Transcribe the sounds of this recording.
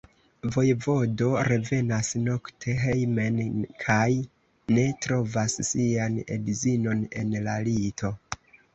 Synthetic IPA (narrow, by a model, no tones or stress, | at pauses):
vo̞jvo̞do̞ɾe̞ve̞nasno̞ktʰe̞ɦejmenkʰaj | ne̞tɾo̞vasːianḛdzino̞ne̞nlalito̞